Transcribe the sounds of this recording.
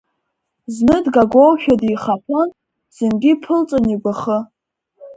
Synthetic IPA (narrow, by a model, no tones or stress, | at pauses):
znɨdɡaɡʷowʃᶣadiχapʰan | z̥ɨnɡʲipʰɨlt͡sʼaniɡʷaχə